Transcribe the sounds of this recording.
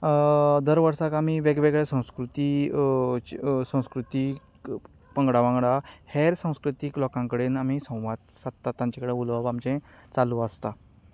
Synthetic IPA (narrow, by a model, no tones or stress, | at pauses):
d̪əɾʋəɾsakam̤iʋeɡʋeɡɭɛsə̃w̃skɾut̪i | sə̃w̃skɾut̪i | pəŋɡɽaʋãŋɡɽaheɾsə̃w̃skɾut̪iːklɔkãŋkəɽenam̤isə̃w̃ʋat̪sat̪t̪ːat̪ːãɲt͡ɕakəɽeulʋaʋamt͡ɕɛ̃ | t͡salũast̪a